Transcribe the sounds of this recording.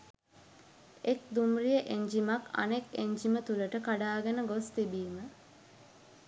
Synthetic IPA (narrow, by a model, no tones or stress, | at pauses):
ekd̪umrijəʔeɲd͡ʒimakɐ̰nekeɲd͡ʒimət̪uləʈəkaɖaːɡɐnəɡost̪ibiːmə